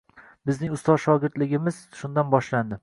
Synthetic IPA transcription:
bɪznɪŋʊst̪ɒzʃɒɡʲɪɾd̪lɪɡʲɪmɪz̥ʃʊnd̪anbɒʃland̪ɪ

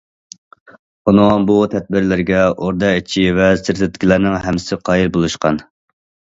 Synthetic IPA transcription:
unoŋbut̪ʰɛd̪̚bɪɾlɪɾɡʲɛʔoɾd̪ɑit͡ʃʰivɛsɪɾt̪ɪt̪kʲʰilæɾnɪŋɦɛmɪ̥sɪqʰɑjiɾbolˠuʃqɑn

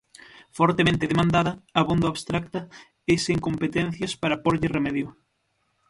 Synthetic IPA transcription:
fɔɾt̪emẽnt̪ɪðemãnd̪aðɐɐβond̪oaβst̪ɾak̚t̪ɐ | eseŋkompet̪ɛn̟θjɐspaɾɐpoɾʎɪremɛðjʊ

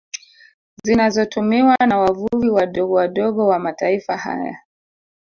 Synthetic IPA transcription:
zinazɔtumiwanawavuviwaɗɔɠɔwaɗɔɠɔwamataifaha̰ja̰

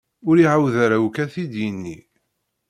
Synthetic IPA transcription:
ʊɾiʕawðæɾawkæθid̪jənːi

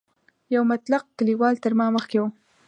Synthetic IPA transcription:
jawmat̪laq̚kəliwɑlt̪əɾmɑməxkewu

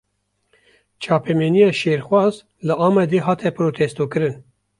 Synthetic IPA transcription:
t͡ʃʰɑːpʰemeːnijɑːʃeːɾxwɑːz | lɨʔɑːmɛd̪eːɦɑːt̪ʰɛpɾoːt̪ʰest̪oːkɨɾɨn

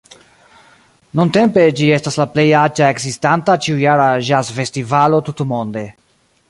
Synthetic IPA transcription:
nunte̞mpe̞d͡ʒie̞staslaple̞jad͡ʒae̞kzistantat͡ʃiujaɾaʒasfe̞stivalo̞tutumo̞nde̞

